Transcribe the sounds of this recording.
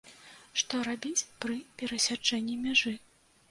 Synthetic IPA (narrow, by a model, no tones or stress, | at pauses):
ʂt̪ɔɾabʲit͡sʲpɾɨpʲɛɾɐsʲad͡ʐɛnʲːimʲaʐɨ